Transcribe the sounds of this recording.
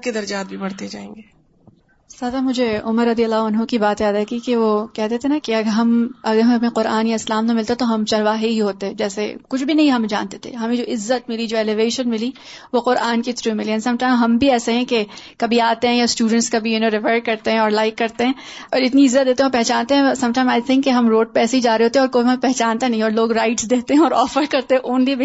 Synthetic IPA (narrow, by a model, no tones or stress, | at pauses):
ked̪ɐɾd͡ʒaːt̪̚bʱibɐɽt̪ed͡ʒa̰ːḛ̃ːŋɡeː | saːd̪amʊd͡ʒʱeʊməɾːɐd̪ijəlːaːɦɐnɦõkibaːt̪jaːd̪akikeʋokɛɦd̪et̪ʰenakeɐɡəɾɦɐmɐɡəɾɦɐmɐpẽqʊɾaːnjaɪslaːmt̪omɪlt̪at̪oɦɐmt͡ʃɐɾʋaːɦeɦiɦoːt̪eɛ̃d͡ʒɛːsekʊt͡ʃʰbʱinɐɦĩɦɐmd͡ʒa̰ːnt̪e̥t̪ʰḛɦɐmẽd͡ʒoːʔɪzːət̪mɪlid͡ʒoːɛleʋeːʃənmɪli | ʋoqʊɾʔaːnkit̪ɾumɪlijaːnsɐ̃mʈãɪmɦɐmbʱiɛːseɦɛ̃kekɐbʱiaːt̪eɦɛ̃jasʈjuːɖə̃ɳʈskabʱiʊnẽɾɪʋeːɖkɐɾt̪eɦɛ̃ɔːɾlaɪkːɐɾt̪eɦɛ̃ː | ɔːɾɪt̪niɪzːət̪̚d̪eːt̪ẽɦɛɔɾpɛɦt͡ʃaːnt̪eɦɛ̃sɐ̃mʈãɪmaɪt̪ʰɪ̃ŋkːeɦɐmɾoːɖ̚pɛːseid͡ʒaːɾeɦoːt̪eɦɛɔːɾkoːbimɐt̪̚pɛɦt͡ʃaːnt̪anɐɦĩɔːɾloːɡɾaɪʈsd̪eːt̪eɦɛ̃ɔːɾɔːfəɾkɐɾt̪eɦɛ̃ʔʊnlibʱi